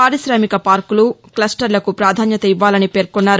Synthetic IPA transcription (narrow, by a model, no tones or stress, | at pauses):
aːɾisɾɐːmikɐpaːɾkuluklɐsʈɐɾlɐkupɾaːd̪ʱaːnjɐt̪ɐiʋːaːlɐnipe̞ːɾkunːaːɾ